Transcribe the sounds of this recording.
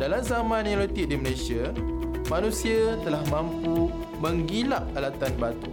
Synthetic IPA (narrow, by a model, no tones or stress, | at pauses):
dalamzamãnilot̪ik̚diməlesiamãnũsiat̪əlahmãmpu | mə̃ŋɡilaʔ̚alat̪anbat̪u